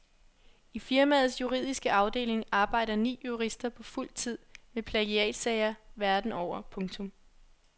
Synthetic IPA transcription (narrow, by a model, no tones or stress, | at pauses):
ifiɐmæð̩ˠsjuʁḭːð̰ˠisɡ̥əʔɑ̈ʊd̥e̝̰ːle̝ŋɑ̈ːb̥ɑ̈ɪ̰ɾ̥ɐnḭːjuʁisd̥ɐpʰɒ̽ful̰t͡sʰið̞̰ˠmepʰleɡ̥iɛ̰ːd̥sɛɪɐʋæɐd̥n̩ɒʊ̰ɐpʰɔ̽ŋt͡sʰɔ̽m